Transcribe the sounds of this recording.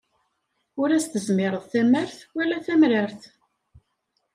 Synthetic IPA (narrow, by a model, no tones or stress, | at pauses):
ʊɾæst̪əzmɪɾˤəðˤθæməɾθwælːæθæmɾəɾθ